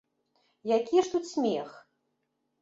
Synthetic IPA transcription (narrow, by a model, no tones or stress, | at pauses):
jakʲiʂt̪ut̪ʲsʲmʲɛx